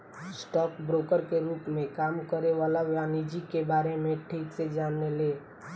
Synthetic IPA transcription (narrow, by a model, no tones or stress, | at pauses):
sʈɔːkbɾoːkəɾkeɾuːpmẽkaːmkəɾeʋalaʋjanid͡ʒikebaːɾemẽʈʰiːksed͡ʒaːnːeleː